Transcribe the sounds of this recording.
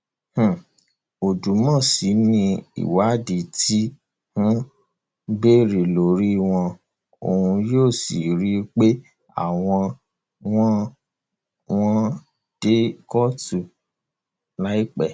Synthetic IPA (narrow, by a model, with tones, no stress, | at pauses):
h̩˨ | o˨du˨˦mɔ̃˦˨si˨˦nĩ˧ḭ˨wa˨˦di˨ti˦ | hũ˦ | be˦ɾe˨lo˨˦ɾi˦w̃ɔ̃˧ | o̰˨hũ˧joː˦˨sḭ˨ɾi˦k͡pe˦ | a̰˦˨w̃ɔ̃˧ | w̃ɔ̃˦ | w̃ɔ̃˦ | d̥e˦kɔ˦tu˨ | na˦i˦k͡pɛ˦˨